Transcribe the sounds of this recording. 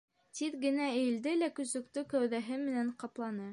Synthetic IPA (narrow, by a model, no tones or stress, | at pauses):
t̪iðɡɘ̆næɘ̆j̆ld̪ɘlækɵ̆sɵ̆kt̪ɵkæwðæɦɘmɘ̆næɴqɑplˠɑnɤ